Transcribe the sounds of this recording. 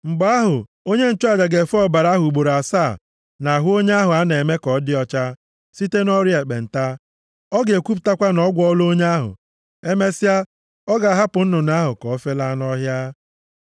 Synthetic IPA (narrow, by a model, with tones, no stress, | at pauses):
ŋ͡m̩˨ɡ͡ba˨a˦ɦʊ˨ | o˦ɲe˦n̩˨t͡ʃu˦a˦˨d͡ʒa˨ɡe˨fɔ˦ba˨ɾa˦ɦʊ˨u˨ɡ͡bo˨ɾa˨saː˦˨ | na˨ɦo˦ɲe˦a˦ɦʊ˨a˦ne˨me˦kɔ˨˦dɪ˦ɔ˦t͡ʃa˦ | si˦te˦nɔ˦ɾje˨k͡pḛ˨n̩˨ta˦ | ɔ˦ɡe˨kʷu˦p̬ta˦kʷa˦nɔ˦ɡʷɔ˦lo˦ɲe˦a˦ɦʊ̰˨ | e˦me˦sɪ˦a˦ | ɔ˦ɡa˨a˨ɦa˦pʊ˨n̩˦nʊ˨na˦ɦʊ˨kɔ˨˦fe˦la˦nɔ˦ɦja˦